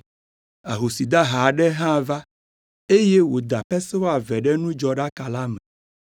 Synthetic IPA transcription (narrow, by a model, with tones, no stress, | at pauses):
a˨ɦo˨si˨d̪a˦ɦa˨ɖɛ˦ɦã˦˨va˦ | e˦jɛ˦wo˨d̪a˨ɸɛ˦sɛ˦wo˦a˨vɛ˨ɖɛ˦nũ˦d͡ʒɔ˨ɖa˦ka˨la˦mɛ̃˨